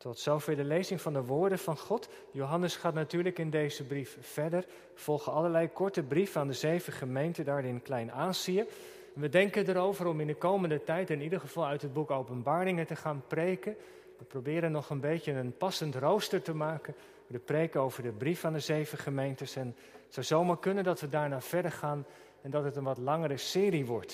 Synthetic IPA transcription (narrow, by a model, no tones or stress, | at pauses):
tɔtsowfeːləlejzɪŋvɑndəʋʊːɹdənv̥ɑnχɔt | jowɦɑnəsχaːtnatyːɹləkɪndejzəbrif | fɛɹdəɹ | v̥ɔlˠχəɑləɹlɛjkɔɹtəbrifaːndəzejvəχəmejntədaːɹɪnklɛjnaːziə | nʋədɛŋkəndəɾowvəɾɔmɪndəkowməndətɛjtɪnidəɹχəv̥ɑlˠœɥtɦəd̚bukowpənbaːrɪŋətəχaːnprejkən | ʋəprowbɪːɾənːɔχənbejcəənpɑsəntrowstəɹtəmaːkən | ədəprejkəowvəɹdəbrifaːndəzejvəχəmejntəsɛn | tsɑwzowmaːɹkɵnəndɑtʋədaːɹnaːv̥ɛɹdəɹχaːn | ɛndɑtɦətənʋɑtlɑŋəɾəsɪːriʋɔɹt